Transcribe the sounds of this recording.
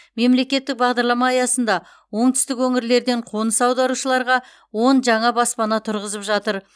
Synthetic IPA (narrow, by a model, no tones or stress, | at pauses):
me̞mle̞kʲe̞t̪ːɪk̚bɑʁd̪ɑɾlˠɑmɑːjɑsən̪d̪ɑ | wo̞ɴt̪ʰʏ̥st̪ɪkwɵŋɪɾle̞ɾd̪e̞ɴqʰo̞nəsɑwd̪ɑɾuʃəlˠɑɾʁɑ | wo̞nʒɑɴɑbɑspɑnɑt̪ʰʊɾʁəzəpʒɑt̪əɾ